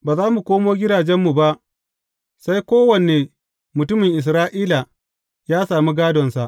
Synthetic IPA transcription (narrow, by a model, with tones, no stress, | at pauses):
baː˨zaː˦mu˨kʷoː˦moː˦ɡʲɪ˦daː˨d͡ʒɛ˦mːu˨ba˦ʔ | sa˦jkʷoː˦wɐ˨ne˨ | mʊ˨tʊ˦mɪ˨ŋʔɪ˨s̬ɾaː˦ʔiː˦la˨ | jaː˦saː˨mi˦ɡaː˦dɔ˨nsa˨ʔ